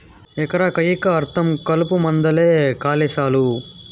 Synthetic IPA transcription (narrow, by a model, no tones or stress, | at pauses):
ɛkɐɾakɐjikɐːɾt̪ʰɐmkɐlupumɐnd̪ɐleːkaːlɛːʃaːlu